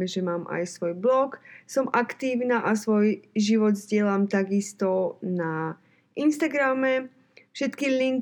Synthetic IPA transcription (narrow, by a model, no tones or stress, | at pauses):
ɛʒɛmaːmʔa̰jsʋɔjblɔksɔmʔakt̪iːʊnaːʔasʋɔjʒiʋɔd̪zɟɪɛlamt̪aɡist̪ɔna | ʔinst̪aɡɾamɛ | fʃɛt̪kiliŋ